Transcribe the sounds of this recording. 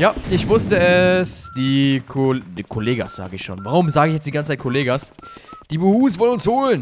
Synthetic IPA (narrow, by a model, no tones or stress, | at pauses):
jaːɪçv̥ʊstəɛsd̥iːkʰodkʰoleːɡa̰sz̥a̰ːɡəɪçʃoːnvaʁʊmzaːɡəɪçjɛt͡sd̥iɡant͡sət͡saɪtkʰoleːɡasd̥iːbuhuːsvɔlənʊnshoːlən